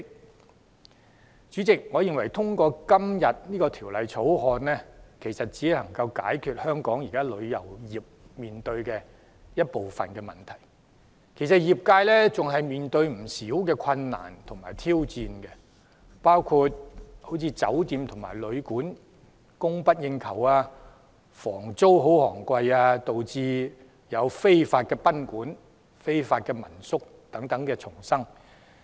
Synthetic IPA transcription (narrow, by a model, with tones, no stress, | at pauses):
t͡ʃyː˨˥t͡sɪ˨k̚ŋɔː˨˧jɪ˨˧ŋwɐ˨˩jt̪ʰʊ˥ŋkʷɔː˧kɐ˥mjɐ˨t̚niː˥kɔː˧t̪ʰiː˨˩wlɐ˨˧jt͡sʰo˨˥wɦɔː˧nlɛː˥kʰe˨˩jsɐ˨t̚t͡siː˨˥˨lɐ˨˩ŋkɐ˧wka̰ː˨˥jkʰyː˨t̚hœː˥ŋkɔː˨˥ŋjiː˨˩kaː˥lɵ˨˧ɥjɐ̰˨˩wjiː˨˩p̚miː˨nt̪ɵ˧ɥkɛː˧ | jɐ˥t̚po˨wfɐ̰˨˩nkɛː˧mɐ̰˨˩nt̪ʰɐ˨˩j | kʰe˨˩jsɐ˨t̚jiː˨˩p̚kaː˧jlɛː˥t͡sʊ˨ŋɦɐ˨jmiː˨nt̪ɵ˧ɥm̩˨˩siː˨˥wkɛː˧kʰɐ˧nːa̰ː˨˩nt̪ʰʊ˨˩ŋmaː˨˩jt̪ʰiː˥wt͡siː˨˧nkɛ˧ | paː˥wkʰuː˧t̚ho˨˥wt͡sʰiː˧t͡sɐ̰˨˥wt̪iː˨˧mt̪ʰʊ˨˩ŋma̰ː˨˩jlɵ˨˧ɥkuː˨˥n | kʊ˥ŋpɐ˥t̚jɪ˧ŋkʰɐ˨˩waː˧ | fɔː˨˩ŋt͡so˥wɦo˨˥whɔː˨˩ŋkʷwɐ˧jaː˧t̪o˨wt͡siː˧ | jɐ˨˧wfe˥jfaː˧t̚kɛː˧pɐ˥nkuː˨˥n | fe˥jfaː˧t̚kɛː˧mɐ̰˨˩nsʊ˥k̚ | t̪ɐ˨˥ŋt̪ɐ˨˥ŋkɛː˧t͡sʰʊ˨˩ŋsɐ˥ŋ